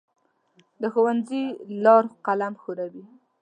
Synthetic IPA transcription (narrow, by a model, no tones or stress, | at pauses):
d̪əxowanzilɑɾqalamxoɾawi